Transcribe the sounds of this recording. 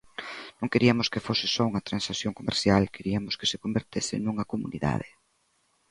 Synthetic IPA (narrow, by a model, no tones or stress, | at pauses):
nõŋkeɾiɐmoskefosɪsɔuŋɐt̪ɾãnsaθjoŋkomḛɾθjalkeɾiɐmoske̥sekombeɾt̪esɪ̰nuŋɐkomṵnḭða̰ð̞ḛ